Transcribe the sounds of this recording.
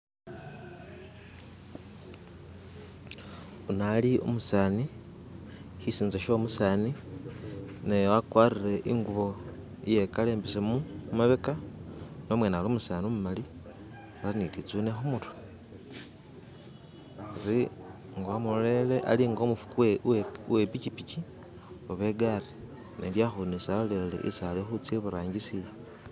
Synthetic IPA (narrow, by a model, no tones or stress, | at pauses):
unaliʔṵmusaːni | hisiːnzeʃo̞musaːni | nejoakwarire̞ʔiŋɡuβo̞ | ije̞kale̞ːmbisemumaβekano̞mwe̞ːnaːlomusaːniomumali | xalanitit͡sunexumutu̥ | ɾi | ŋɡoamuleleʔa̰liŋɡo̞mufu̥kuewepit͡ʃipit͡ʃi | oβe̞ɡari | nʔḛljaxunisalelḛʔḭsalexut͡seβuɾaːɲɡisije